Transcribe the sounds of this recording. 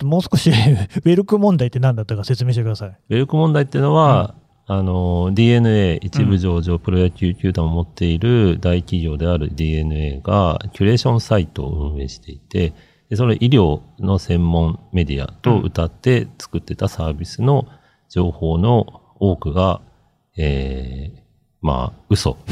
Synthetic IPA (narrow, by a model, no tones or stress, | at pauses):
mo̞ːsɨ̥koɕibe̞ɾɯ̟kɯ̟mõnd̪ait̪ːenãnd̪at̪ːakaset͡sɨme̞ːɕit̪ekɯd̪asaibe̞ɾɯ̟kɯ̟mond̪ait̪ːeiɯ̟no̞βa | ano̞d̪ʲiːe̞nɯ̟e̞ːʔit͡ɕibɯ̟ʑo̞ːʑo̞ːpɯ̟ɾo̞jakʲɯːkʲɨ̟ːt̪ammo̞t̪ːe̞iɾɯ̟d̪aikʲiɡʲo̞ːd̪e̞aɾɯ̟̰d̪ʲiːe̞nɯ̟e̞̰ːɡa̰kʲɯɾe̞ːɕõ̞ɰ̃sait̪o̞̰ːɯ̟̃ɰ̃e̞ːɕi̥t̪e̞it̪e̞ | d̪̥e̞so̞noʔiɾʲo̞ːno̞sẽ̞mːõ̞ɴme̞d̪ʲia̰t̪o̞ɯ̰t̪at̪ːe̞t͡sɨ̥kɯ̟t̪ːet̪asaːbʲisɨno̞ | d͡ʑo̞ːho̞ːno̞ | oːkɯ̟ɡa | eː | ma̰ɯ̟so̞̰